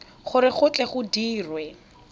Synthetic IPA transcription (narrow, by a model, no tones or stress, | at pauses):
χʊɾɪχʊt͡ɬʼɛχʊdiːrwɛ